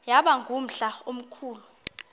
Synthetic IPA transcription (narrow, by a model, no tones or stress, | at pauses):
jaɓaŋɡʱum̩ɬaom̩kʰuːlu